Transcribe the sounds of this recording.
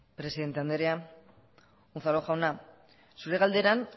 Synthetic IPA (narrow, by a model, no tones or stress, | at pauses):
pɾe̞siðe̞nt̪eand̪eɾea | unθalo̞xawna | suɾe̞ɣald̪e̞ɾan